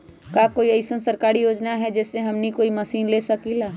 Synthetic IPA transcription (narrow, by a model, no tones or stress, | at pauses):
kaːkoːiɐɪsənsəɾkaːɾijoːd͡ʒnaɦɛd͡ʒɛːseɦɐmnikoːimɐsiːnleːsɐkilaː